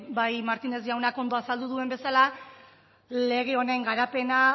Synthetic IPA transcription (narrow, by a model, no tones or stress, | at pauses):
bajmaɾt̪ine̞szʝawnako̞nd̪o̞asald̪uðue̞mbe̞sala | le̞ɣ̞eo̞neŋɡaɾape̞na